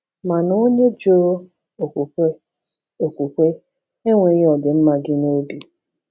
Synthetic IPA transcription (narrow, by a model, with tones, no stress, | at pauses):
ma˨no˦ɲe˦d͡ʒo˦ɾo˦ | o˨kʷu˨kʷe˦ | o˨kʷu˨kʷe˦ | e˦ŋʷe˨ɣɔ˨dʊ˨m̩˦ma˨ɡɪ˦no˦bi˨